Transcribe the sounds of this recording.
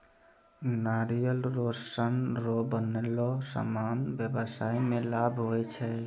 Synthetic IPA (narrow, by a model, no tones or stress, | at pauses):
naɾijəlɾosənɾobənelɔsa̰manbjəbəsaimelabʱɦoɛt͡ʃʰɛ